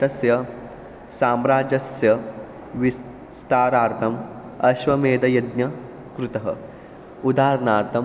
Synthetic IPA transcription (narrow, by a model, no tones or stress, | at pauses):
t̪ɐsjɐ | saːmɾaːd͡ʒɐsjɐ | ʋis | st̪aːɾaːɾt̪ʰɐm | ɐʃʋɐmeːd̪ɐjɐd̪nɐ | kɾut̪ɐɦɐ̰ | ud̪aːɾɐnaːɾt̪ʰɐm